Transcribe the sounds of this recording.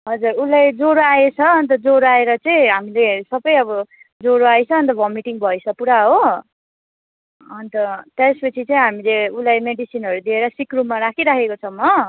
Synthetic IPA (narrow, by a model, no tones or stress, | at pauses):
ɦʌd͡zuɾulajd͡zoɾoaet͡sʰʌʌnt̪̬ʌd͡zoɾoaeɾʌt͡saĩɦamilesʌbʌjʌbʌ | d͡zoɾoajt͡sʰʌːnt̪ʌbʱʌmiʈiŋbʱʌjsʰʌpuɾaɦo | ʌnt̪ʌt̪aspʌt͡sʰit͡sʌĩɦamileulajmeɖisinɦʌɾud̪ieɾʌsikrumːaɾakʰiɾakʰekot͡sʰʌmːʌ